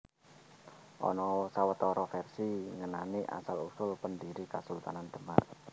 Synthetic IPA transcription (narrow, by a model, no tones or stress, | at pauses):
ʔɔ̰nɔsawət̪ɔɾɔfɛrsiŋənaniʔa̰salusʊlpəndiɾikasult̪anand̪̥əma̰r